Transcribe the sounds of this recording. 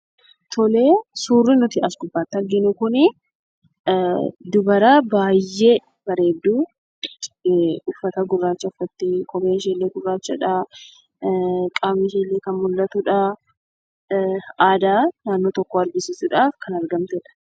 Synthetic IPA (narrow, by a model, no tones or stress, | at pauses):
t̪ʰɔle̞ːsuːrːɪnʊt̪ɪɐsɡʊbːaːt̪ːɪɐɾɡɪnʊkʊnɪ | d̪ʊbɐɾaːbaːjːe̞ː | b̥ɐɾe̞ːd̪ːuː | ʊfːɐt̪ɐɡʊrːaːt͡ʃːɐʊfːɐt̪ːɪkʼɔbeːnʃeːlːeːɡʊrːaːt͡ʃːɐ̰ᶑɐ | kʼaːmɪʃeːlːeːkɐnmʊlːɐt̪ʊᶑɐ | aːd̪aːnaːnːoːt̪ɔkːɔɐɾɡɪsɪsʊᶑaːfkɐnɐɾɡɐmt̪ɛᶑɐ̥